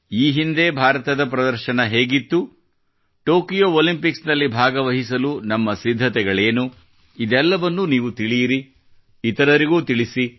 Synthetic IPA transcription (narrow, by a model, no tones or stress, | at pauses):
iːɦind̪e̞bʱaːɾɐt̪ɐd̪ɐp̬ɾɐd̪ɐɾʃɐnɐɦe̞ːɡit̪ːu | ʈo̞ːkijoːolimpiksnɐlːibʱaːɡɐʋɐɦis̬ɐlunɐmːɐsid̪ʱːɐt̪ɛɡɐɭe̞ːnu | id̪ɛlːɐʋɐnːuniːʋut̪iɭijiɾi | it̪ɐɾɐɾiɡuːt̪iɭisi